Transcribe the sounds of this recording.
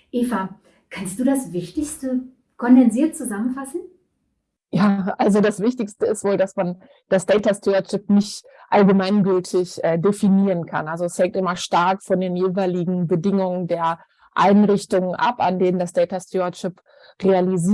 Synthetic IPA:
ʔeːfa | kʰanst̚d̥uːdasvɪçtɪçstə | kʰɔndɛnziːɐt̚t͡suzamənfasn̩ | jaːʔalzodasv̥ɪçtɪçstəɪstv̥oːldasman | d̥asd̥ɛɪtastʰeɐt͡ʃɪp̚nɪçt | ʔalɡəmaɪnɡʏltʰɪçʔɛːdefiniːʁənkʰa̰nalzoɛshɛŋ̚tʔɪmɐʃtaɐkfɔndeːnjeːvaɪlɪɡŋ̩bədɪŋʊŋəndeːɐ | ʔaɪnʁɪçtʊŋənʔa̰pa̰ndeːnəndasd̥ɛːɪtastʰoɐt͡ʃɪp | ʁealiziː

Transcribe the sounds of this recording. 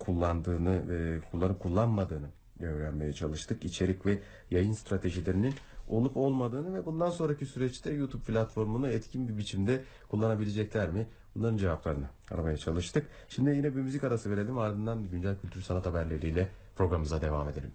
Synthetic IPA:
kʰulˠːand̪ɯːnɯkʰulˠːanɯp̚kʰulˠːanmad̪ɯːnɯ | ɟø̞vɾænme̞jɛt͡ʃʰalˠɯʃt̪ʰɯkit͡ʃʰe̞ɾʲicvɛ | jajɯnst̪ɾat̪ʰe̞ʒilʲe̞ɾinino̞lˠupo̞lˠmad̪ɯːnɯvɛbund̪anso̞nɾacisyɾɛt͡ʃt̪ʰɛjut̪ʰup̚pʰlʲat̪fo̞ɾmunuɛt̪cʰinbibit͡ʃʰimd̪ɛ | kʰulˠːanabilʲe̞d͡ʒɛclʲæɾmɪbunlˠaɾɯnd͡ʒe̞vaplˠaɾɯnɯa̰ɾabajat͡ʃʰalˠɯʃt̪ʰɯk | ʃimd̪ijinɛbimyzikaɾasɯve̞ɾe̞lʲimaɾd̪ɯnd̪and̪aɟynd͡ʒælʲcʰylʲt̪ʰyɾsanat̪habæɾlʲe̞ɾiːlʲɛ | pʰɾo̞ɡɾamɯzad̪e̞vame̞d̪e̞ɾʲim

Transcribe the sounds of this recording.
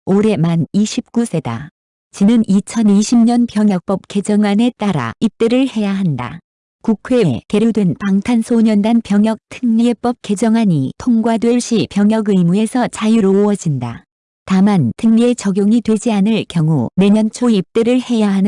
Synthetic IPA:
oɾe̞maniɕʰip̚k͈usʰe̞da̰ | t͡ɕinɯnit͡ɕʰʌniɕʰimɲʌnpjʌŋjʌk̚p͈ʌp̚k͈e̞d͡ʑʌŋane̞t͈aɾa̰ip̚t͈eɾɯɭhe̞jaɦanda̰ | kukʰwe̞ke̞ɾudwe̞npaŋtʰansʰoɲʌndanpjʌŋjʌk̚tʰɯŋɲiep͈ʌp̚k͈e̞d͡ʑʌŋaɲitʰoŋɡwadwe̞ɭɕ͈ipjʌŋjʌɡɯimue̞sʰʌt͡ɕajuɾoːʌd͡ʑinda̰ | tamantʰɯŋɲie̞t͡ɕʌɡjoŋitwe̞d͡ʑianɯɭkjʌŋune̞ɲʌnt͡ɕʰoip̚t͈eɾɯɭhe̞jaɦanɯ

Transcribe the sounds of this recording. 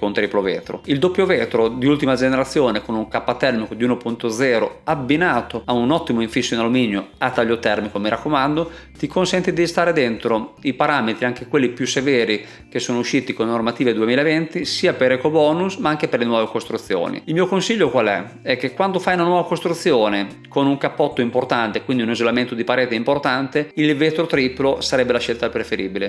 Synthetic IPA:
kont̪ɾiplovɛ̰ːt̪ɾo̰ild̪opːjovɛːt̪ɾod̪iult̪imad͡ʒeneɾat̪sːjoːnekonuŋkapːat̪ɛrmikod̪iuːnopunt̪od̪zɛːɾoabːinaːt̪oaunɔt̪ːimoiɱfisːoinaluminjoat̪ːaʎːot̪ɛrmikomiɾʔakːomand̪o | t̪ikonsɛnt̪id̪ist̪aːɾed̪ent̪ɾoipaɾaːmet̪ɾiaŋk̟ekwelːipjusevɛːɾi | k̟esːoːnouʃːiːt̪ikolnormat̪iːved̪uemiːlaevent̪isiːapeɾɛkobɔːnusmaaŋk̟eperlenwɔːvekost̪ɾut̪sːjo̰ːnḭilmiokonsiʎːokwalɛ̰ | ɛk̟ːekːwand̪ofajunanwɔːvakost̪ɾut̪sːjoːne | konuŋkapːɔt̪ːoimport̪ant̪ekwind̪iunizolament̪od̪ipaɾeːt̪eimport̪ant̪eilvet̪ɾot̪ɾiːplosaɾɛbːelaʃelt̪apɾefeɾiːbile

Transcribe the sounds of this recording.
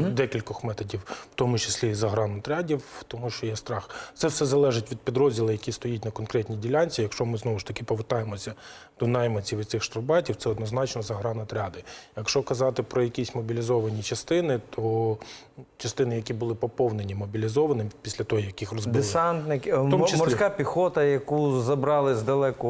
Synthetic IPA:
d̪ɛkʲilʲkɔxmɛt̪ɔdʲiww̥t̪ɔmʊt͡ʃɪ̥sʲlʲizɐɦɾɑnɔt̪ɾʲɑdʲiwt̪ɔmuʃt͡ʃɔjɛst̪ɾɑxt̪sɛwsɛzɐlˠɛʒɪtʲʋʲid̪̚pʲid̪ɾɔzʲdʲilˠɐjɐkʲist̪ɔjit̚ʲnɐkɔnkɾɛtʲnʲidʲilʲɑnʲt͡sʲijɐkʃt͡ʃɔmɪznɔʋʊʃt̪ɐkʲɪpɔʋɪrt̪ɑjemɔsʲɐ | d̪̥ɔnɑjmɐt͡sʲiʋɪtsɪxʃt̪ɾɔwbɑtʲiwtsɛɔd̪nɔznɑt͡ʃnɔzɐɦɾɑnɔt̪ɾʲɑd̪ɪjɐkʃt͡ʃɔkɐzɑt̪ɪpɾɔjɐkʲisʲmɔbʲilʲizɔʋɐnʲit͡ʃɐst̪ɪnɪt̪ʰɔ | t͡ʃɐst̪ɪnɪjɐkʲibʊlˠɪpɔpɔwnenʲimɔbʲilʲizɔʋɐnɪpʲisʲlʲɐt̪ɔɦɔjɐkɪxrɔzdbɪɪsant̪nɪkt̪ɔmt͡ʃsmɔrʲsʲkapʲixɔt̪ɐjɐkuzɐbɾɑlˠɪzd̪ɐlˠɛkʊ

